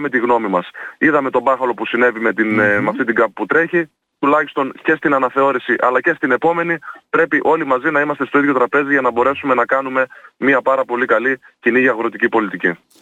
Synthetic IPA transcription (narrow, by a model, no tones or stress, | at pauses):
me̞t̪iɣno̞mimɐsiðɐme̞t̪o̞bɐxɐlo̞pusine̞vime̞t̪inmeɐft̪int̪iɡɐp̚put̪ɾe̞çi | t̪ulɐçist̪o̞nce̞st̪inɐnɐθe̞o̞ɾisiʔɐlɐce̞st̪ine̞po̞me̞nipɾe̞piʔo̞limɐzinɐimɐst̪e̞st̪o̞iðʝjo̞t̪ɾɐpe̞ziʝɐnɐbo̞ɾe̞sume̞nɐkɐnume̞miɐpɐɾɐpo̞likɐli | ciniʝiɐɣɾo̞t̪icipo̞lit̪ici